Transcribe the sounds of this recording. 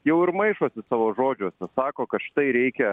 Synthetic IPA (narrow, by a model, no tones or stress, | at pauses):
jɛʊɪɾmɐɪʃoːsʲɪsɑːʋoːʒoːd͡ʒʲoːsʲɛsɑːkoːkɐt̪ʃɪ̥t̪ɐɪɾʲɛɪkʲɛ